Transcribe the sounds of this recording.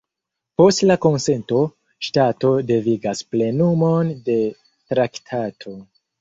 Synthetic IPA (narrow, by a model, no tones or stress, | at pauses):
po̞stlako̞nse̞nto̞ | ʃtato̞deviɡasple̞numo̞nde̞ | tɾaktʰatʰo̞